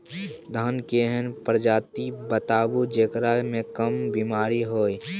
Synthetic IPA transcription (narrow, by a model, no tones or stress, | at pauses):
d̪ʱankeɦənpəɾd͡ʒaːt̪ibət̪aːbud͡ʒekɾamẽkəmbimaːɾiɦoːi